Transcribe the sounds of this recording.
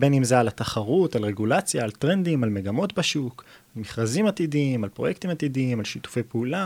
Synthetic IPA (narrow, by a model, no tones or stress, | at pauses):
benimzaːlat̪aχaʁutalʁeɡulat͡sjaːlt̪ʁe̞nd̪imalmeɡamo̞t̪baʃuk | almiχʁazimat̪idiimalpʁo̞jekt̪imat̪idiimalʃitu̥fejpeula